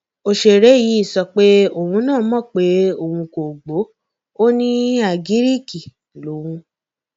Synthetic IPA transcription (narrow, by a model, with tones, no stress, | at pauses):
o˧ʃe˨ɾɛ˨˦ji˨˦i˦˨sɔ˧k͡pe˦o˨hũ˧˦nãː˦˨˦mɔ̃˦˨k͡pe˦o˨hũ˧ko˨ɡ͡bo˨˦ | o˦nĩ˦a˨ɡi˦ɾi˦ki˨ | lo˨˦wũ˧